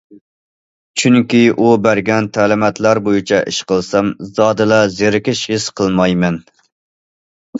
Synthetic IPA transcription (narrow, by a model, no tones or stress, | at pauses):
t͡ʃʰyŋkʲiʔubæɾɡʲɛnt̪ʰæːlɪmɛt̪læɾbojɪt͡ʃʰɛʔɪʃqəlˠsɛmzɑːd̪ɨlɑzeɾɪkʲɪʃhɪsqʰəlˠmɑjmɛn